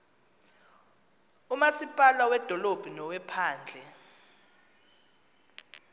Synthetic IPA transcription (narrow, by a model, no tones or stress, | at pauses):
umasipʼalawɛd̥ʱɔlob̥ʱinɔwɛpʰaːnd͡ɮʱɛ